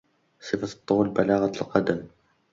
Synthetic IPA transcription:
sˤɨfḁt̪ˤːuːlbalaːɣalqɑd̪am

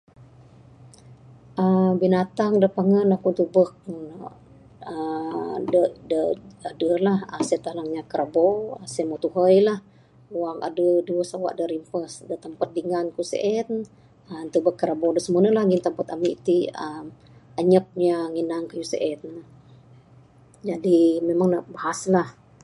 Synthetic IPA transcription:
ʔəmbinat̪aŋdəpaŋənakunt̪ubək̚n | ədədəadəlahəsət̪alaŋɲakəɾabosəmot̪uɦəjlah | waŋa̰dəduəsawa̰ʔdəɾimpəsdət̪əmpat̪̚diŋankusḛʔɛt̪ | ənt̪ubəkːəɾabodəsəmunəlahɡint̪əmpat̪amiʔt̪iəm | əɲəp̚ɲaŋinaŋkəjusə̰ʔɛt̪̚ | d͡ʒadimemaŋnəbaɦaslah

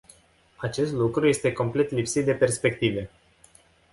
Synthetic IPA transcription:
at͡ʃe̞st̪lukɾuje̞st̪e̞ko̞mple̞t̪lipsit̪̚d̪e̞pe̞rspe̞k̚t̪ive̞

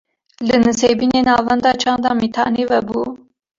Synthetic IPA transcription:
lɨnɨseːbiːneːnɑːvɛnd̪ɑːt͡ʃʰɑːnd̪ɑːmit̪ʰɑ̰ːnevɛbuː

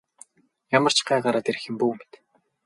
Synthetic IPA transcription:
jamə̆r̥t͡ɕɢæːɢaɾaːt̪eɾ̆xɘ̆mpuːme̥t̪

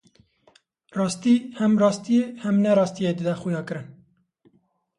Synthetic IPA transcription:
rɑːst̪iːhɛmrɑːst̪ijehɛmnɛɾɑːst̪ijed̪ɨd̪ɛxujɑːkɨɾɨn

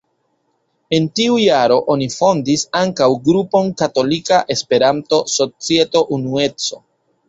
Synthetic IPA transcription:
e̞ntiujaɾo̞ʔo̞nifo̞ndisaŋkawɡɾupo̞nkato̞likaʔe̞spe̞ɾanto̞so̞t͡sie̞to̞ʔunue̞t͡so̞

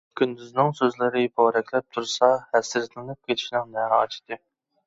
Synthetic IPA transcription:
kʲʰynd̪yznɪŋsøzlɪɾɪbɑɾɛkʲʰlɛp̚t̪ʰuɾsɑhɛsːɪɾt̪ʰlɨnɨp̚kʲet͡ʃʰi̥ʃnɪŋnɛɑt͡ʃʰd̪ɨ

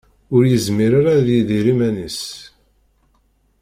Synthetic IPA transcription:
ʊɾjəzmiɾaɾaðiðiɾimænis

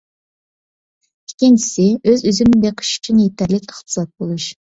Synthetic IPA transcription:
ɪkʲint͡ʃʰi̥sɪøzyzɪmɪbeqʰə̥ʃy̥t͡ʃʰinjet̪ʰæɾlɪkʲəχt̪ʰɨ̥sɑt̪̚bolˠuʃ

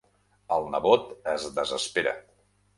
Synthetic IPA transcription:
əlˠnəβot̪əzdəzəspeɾə̰

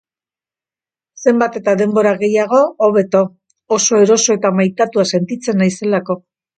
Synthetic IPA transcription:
se̞mbat̪e̞t̪aðe̞mbo̞ɾaɣe̞jaɣo̞ːβe̞t̪o̞ː | so̞e̞ɾo̞so̞et̪amajt̪at̪uase̞nt̪it͡se̞nːajse̞lako̞

